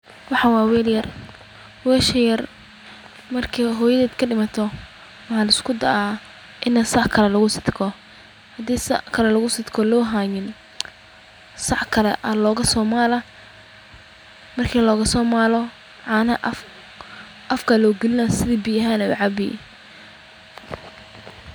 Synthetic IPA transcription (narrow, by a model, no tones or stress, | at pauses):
wɑħɑːwɑːwɛːljɐr | wɛːʃɐjɐr | mɐrkʰiːɦɔːjɐðɛːd̪kʰɐɖɪmɐt̪ʰɔ | wɑħɑːlɐɪskʰʊd̪ɐ̰ʔa | ʔɪnɐsɑʕkʰɐlɛlɐɣʊsɪ̥d̪kʰɔ | hɐd̪iːsɑ̰ʕkʰɐlɛlɐɣʊsɪd̪kʰɔlɔːɦaːjɪn | sɑħkʰɐlɛʔɐlɔːɣɐsɔːmaːlɐ | mɐrkʰiːlɔːɣɐsɔːmaːlɔ | ʕɑnɐʔ | ʔɐfkʰɐlɔːɡɛlɪnɐsɪðiːbijɐɦaːnɛʊ̰ʕɑbɪ̰